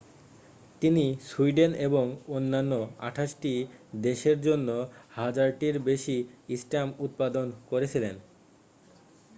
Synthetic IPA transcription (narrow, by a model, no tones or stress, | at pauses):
t̪inisuiɖeneboŋonːanːoa̰ʈʰaʃʈid̪eʃeɾd͡ʑonːohad͡ʑaɾʈiɾbeʃiisʈamut̪̚pad̪onkoɾet͡ɕʰilen